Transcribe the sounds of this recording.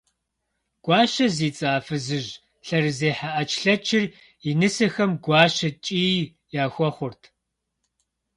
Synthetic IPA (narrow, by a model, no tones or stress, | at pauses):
ɡ̥ʷɑːʃɐziːt͡sʼaːfɨzɨʑ | ɬɐrɨzeːħaʔɐt͡ʃʰʼɬɐt͡ʃʰɪr | inɨsɐxɐmɡʷɑːʃɐt͡ʃʼiː | jaːxʷɔχʷʊrtʰ